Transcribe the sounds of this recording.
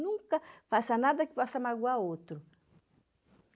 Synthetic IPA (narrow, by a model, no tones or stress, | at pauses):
nũŋkɐfasɐnad̪ɐkɪ̥pɔsɐmaɡuaot̪ɾʊ